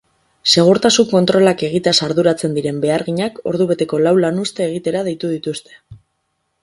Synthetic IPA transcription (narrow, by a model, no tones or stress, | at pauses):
se̞ɣ̞uɾt̪asuŋko̞nt̪ɾo̞lake̞ɣ̞it̪easaɾðuɾat͡se̞nd̪iɾe̞mbe̞aɾɣiɲako̞̰ɾð̞uβe̞t̪e̞ko̞lawlanust̪e̞ːɣ̞it̪e̞ɾað̞e̞jt̪uð̞it̪ust̪e